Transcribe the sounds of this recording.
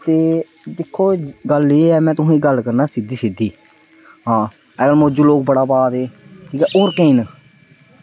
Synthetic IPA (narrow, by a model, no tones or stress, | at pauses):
t̪eː | d̪ɪkʰːoːɡəleeɛːmɛ̃ːt̪ʊɦẽːɡəlkəɾnaːsɪd̪iːsɪd̪iː | ɦãː | ɛːɡəlmoːd͡ʒuloːk̚bəɽaːbaːd̪eːkʰiːkɛːʔoːɾkeiːn